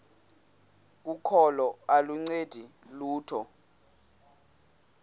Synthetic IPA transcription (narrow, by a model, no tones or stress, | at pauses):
k̬ukʰɔlɔaluŋ͡ǀed̥ʱiluːtʰɔ